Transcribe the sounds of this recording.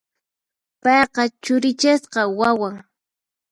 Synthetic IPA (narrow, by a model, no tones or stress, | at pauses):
pɑjqɑt͡ʃʊɾɪt͡ʃɪsqɑwawaŋ